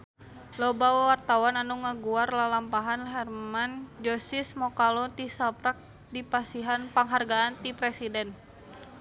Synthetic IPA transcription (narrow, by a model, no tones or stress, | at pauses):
lɔbawawart̪awananuŋaɡuarlalampaɦanɦɛrmand͡ʒɔsismɔkalɔt̪isapɾak̚ | dipasiɦanpaŋɦarɡaant̪ipɾɛsidɛn